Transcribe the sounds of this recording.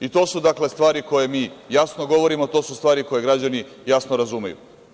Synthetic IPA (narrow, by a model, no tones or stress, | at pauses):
it̪o̞ːsud̪akle̞st̪ʋaːɾiko̞je̞miːjasnoɡo̞ʋo̞ɾimot̪o̞ːsust̪ʋaːɾiko̞je̞ɡɾad͡ʑani | jasnoɾazumejṵ